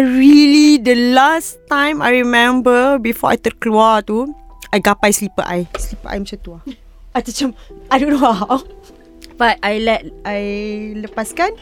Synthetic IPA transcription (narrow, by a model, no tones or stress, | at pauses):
ɹilidəlast̪ãj̃ma̰jɹimɛ̃mbəbifɔa̰jt̪ət̚kluat̪u | ajɡapajslipə̰ʔajslipəʔa̰jmat͡ʃãmt̪ua | ajt̪ət͡ʃamajdõnoaw | bat̚ajlɛt̚ʔajləpaskan